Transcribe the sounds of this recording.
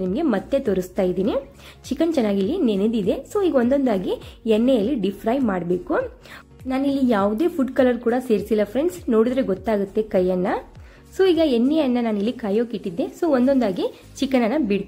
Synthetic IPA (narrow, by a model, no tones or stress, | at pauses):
nimɐɡe̞mɐt̪ːet̪oːɾust̪aːjid̪iːni | t͡ʃikːɐnt͡ʃɛnːaːɡilːinened̪id̪e̞so̞ːiːɡɐond̪ond̪aːɡiɛnːejɐlːiɖipʰɾaːjmaːɽbe̞ːku | naːnilːijaːʋd̪e̞ːpʰuʈkɐlɐɾkuːɽɐse̞ːɾisilːɐpʰɾeɳɖsno̞ːɽid̪ɾeɡɔt̪ːaːɡut̪ːe̞kɐjːɐnːɐ | soːiːɡɐenːejɐnːɐnaːnilːikaːjoːkiʈːid̪ːe̞soːond̪ond̪aːɡi | t͡ʃikːɐnɐnːɐbiɽ